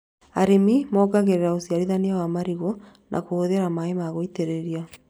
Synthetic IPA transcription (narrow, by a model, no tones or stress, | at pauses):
aɾemimɔːɡaɣeɾeɾaosiaɾiðaniawamaɾiɣo | nʔa̰kooðeɾamaemaɣoiteɾeɾia